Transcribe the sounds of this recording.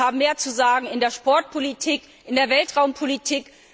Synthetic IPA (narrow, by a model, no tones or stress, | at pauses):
aːbm̩meːɐt͡suzaːɡŋ̩ɪndeːɐʃpɔɐt̚pʰolitʰiːk | ʔɪndeːɐvɛltʁ̥aʊmpʰolitʰiːk